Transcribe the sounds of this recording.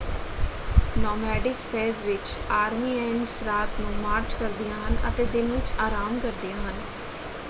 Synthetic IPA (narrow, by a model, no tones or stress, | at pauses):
nɔːmɛːɖɪkfʰɛːzʋɪt͡ʃaːɾmiːɛ̃ːɳɖsɾaːt̪nũːmaːɾt͡ʃkəɾd̪ɪjãːɦənʔə̰t̪eːd̪ɪnʋɪt͡ʃaːɾaːmkəɾd̪ijãːɦən